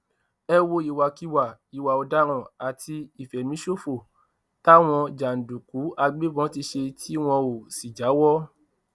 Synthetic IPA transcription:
ɛ˦wo˦i˨wa˨ki˦wa˨i˨wa˨o˧da˦ɾ̃ɔ̃˧˨a˨ti˧i˨fɛ˨mĩ˨˦ʃo˦fo˦˨ | ta˦w̃ɔ̃˧d͡ʒa˨n̩˨du˨ku˨˦a˧ɡ͡be˦bɔ̃˨˦ti˧ʃe˧tʰi˦w̃ɔ̃˧o˨si˨d͡ʒa˨˦wɔ˦

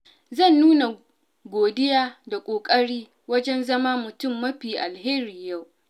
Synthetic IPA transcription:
zɐ˦˨nːuː˦na˨ | ɡʷoː˨dɪ˦jaː˦da˨kʷʼoː˨kʼɐ˦ɽiː˦ | wɐ˦d͡ʒɛ˦nzɐ˦maː˦mʊ˨tʊ˦˨mːɐ˦ɸiː˨ʔa˨lheː˦ɾiː˨ja˦˨w

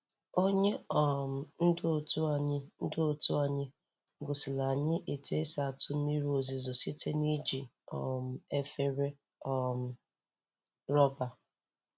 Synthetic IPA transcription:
o˦ɲe˦ɔ˨m̩˨n̩˦do˦˨tu˦a˨ɲɪ˦n̩˦dʊ˦˨tu˦a˨ɲɪ˦ | ɡʊ˨sɪ˨la˨ɲɪ˦ʔe˨tu˨e˦sa˨tʊ˦mi˦ɾu˦o˨zi˨zo˨si˦te˦ni˦d͡ʒi˨ | ɔ̰˨m̩˨e˦fe˦ɾe˦ | ɔ˦˨m̩˨˦ | ɾɔ˦ba˨

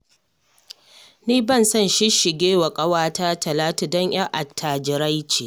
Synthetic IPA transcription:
niː˦bɐ˦˨nsɐ˦˨nʃɪ˦ʃɪ˨ɡʲeː˦wɐ˨kʼɐ˦waː˦ta˦tɐ˨laː˦ta˨dɔ˦ɲj̰a˦ŋʔa˨tʰːaː˨d͡ʒɪ˨ɾa˦jt͡ʃeː˨

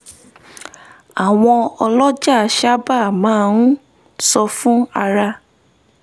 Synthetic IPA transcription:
a˨w̃ɔ̃˧ɔ˧lɔ˦d͡ʒa˦˨ʃa˦ba˦˨mã˨˦ũ˦ | sɔ˧fũ˦a˧ɾa˧

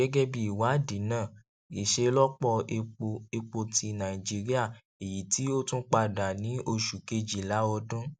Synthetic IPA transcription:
ɛ˦ɡɛ˦bi˨i˨wa˨˦dĩ˨˦nãː˦˨ | i˨ʃe˧lɔ˦k͡pɔ˧e˧k͡po˧ti˧nã˨ĩ˨d͡ʒi˨˦ɾi˦a˦˨ | e˨ji˨˦ti˦o˦tũ˦k͡pa˧da˨nĩ˨˦o˧ʃu˨ke˧d͡ʒi˨la˨˦ɔ˧dũ˦

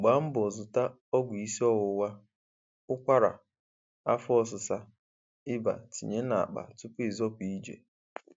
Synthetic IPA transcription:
ɡ͡ba˨˦m̩˦bʊ˨zʊ˨ta˦ | ɔ˦ɡʷʊ˨i˦si˦ɔ˦ɣʊ˨wa˦ | ʊ˦kʷa˦ɾa̰˨ | a̰˦fɔ˦s̬ʊ˨sa˦ | ɪ˦ba̰˨tḭ˨ɲe˦na˨a̰˨k͡pa̰˨tʊ˦pʊ˦e˨zɔ˦pʷi˨i˦d͡ʒḛ˨

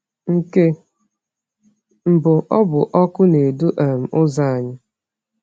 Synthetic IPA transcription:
ŋ̩˦ke˦ | m̩˨bʊ˨ʔɔ˦bʊ˨ʔɔ˦kʊ˦ne˨du˦ʔa˨m̩˨ʊ˦za˦a˨ɲɪ˦

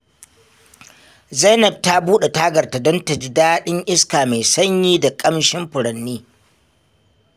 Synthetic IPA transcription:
za˦nɐ˨b̚ta˦buː˦ɗe˨taː˦ɡɐ˨rta˨dɔ˦ntɐ˨d͡ʒɪ˦daː˦ɗɪ˦ɲʔɪ˦skaː˨ma˨jsɐ˦ɲjiː˦da˨kʼɐ˦mʃɪ˦mɸʊ˨ɽɐ˨nːiː˦

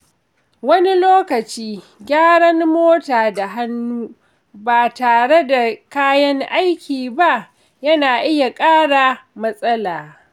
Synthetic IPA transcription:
wɐ˦ni˦loː˦kɐ˨t͡ʃiː˦ | ɡʲaː˦ɽɐ˦ŋmoː˦taː˨da˨ɦa˦nːuː˦ | baː˨taː˨ɽe˦da˨kaː˦jɐ˦ŋʔa˦jkʲiː˨ba˦ʔ | jɐ˦naː˨ʔɪ˦ja˨kʼaː˦ɽaː˨mɐ˦sʼɐ˦laː˨

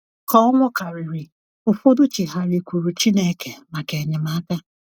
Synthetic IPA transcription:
kɔ˦ŋʷʊ˦ka˨ɾi˨ɾi˨ | ʊ˨fo˦dʊ˦t͡ʃi˨ɦa˨ɾi˨kʷu˨ɾu˨t͡ʃi˦ne˦ke˨ma˨ke˨ɲɪ˨ma˨˦ta˦

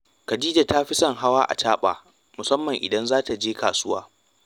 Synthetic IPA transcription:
kɐ˨diː˦da˨taː˦ɸi˦sɐ˦˨ŋɦa˦waː˦ʔa̰˨t͡ʃaː˦ɓa̰ː˨ | mʊ˨sɐ˦mːɐ˨ŋʔɪ̰˨dɐ˦nzaː˦ta˨d͡ʒeː˦kaː˨sʊ˦waː˦

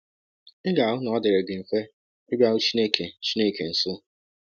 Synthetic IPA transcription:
ɪ˦ɡa˨ɦʊ˦nɔ˨˦dɪ˨ɾe˨ɡɪ˨m̩˨fe˦ | ɪ˦ɡ͡ba˦u˦t͡ʃi˦ne˦˨kʰe˨˦t͡ʃi˦ne˦˨ke˨n̩˨sʊ˦˨

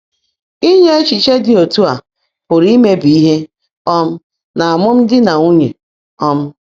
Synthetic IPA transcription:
i˦ɲe˦e˦t͡ʃi˨t͡ʃe˦dɪ˦o˨tu˦a˨ | pʊ˨ɾi˦me˦bi˨i˦ɦe˦ | ɔ˦m̩˦ | na˨a˨mʊ˦m̩˦dɪ˦na˨u˦ɲḛ˨ | ɔ˦m̩˦

